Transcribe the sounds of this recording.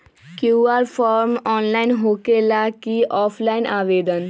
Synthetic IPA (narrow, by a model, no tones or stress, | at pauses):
kjuːaːɾpʰaːɾmɔːnlaːɪnɦoːkeːlaːkiːʔɔːpʰlaːɪnʔaːʋeːd̪ən